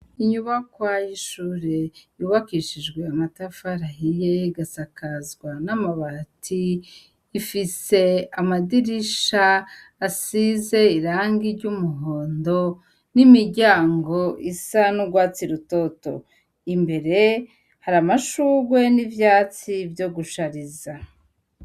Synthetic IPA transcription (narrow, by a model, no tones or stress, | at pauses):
iɲuβakwajiʃuːɾe̞juβakiːʃid͡ʒɡwe̞amatafaɾaɦijeiɡasakʰazɡwanamaβatʰiː | fise̞amadiɾiʃaː | size̞iɾaːŋɡiɾɟumuɦo̞ːndo̞ | nimiɾɟaːŋɡo̞ʔisanuɡwaːt͡siɾuto̞to̞̰ | imbe̞ɾe̞ | haɾamaʃuːɡwe̞nivjaːt͡sivjo̞ɡuʃaɾiza